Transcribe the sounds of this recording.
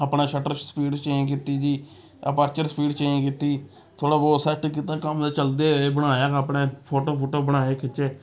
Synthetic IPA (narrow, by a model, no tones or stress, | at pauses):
əpɳẽːʃəʈəɾsə̥piːɖt͡ʃeẽːk̬iːt̪iːd͡ʒiː | əpəɾt͡ʃəɾsəpiːɖt͡ʃeẽːkiːt̪iː | t̪ʰoːɽaːboːsɛːʈk̬it̪ãːkəmd̪aːt͡ʃəld̪eːeːbəɽaːjaːkəpɳẽːpʰoːʈoːpʰoːʈoːbəɽ̃aːeːkʰɪt͡ʃeː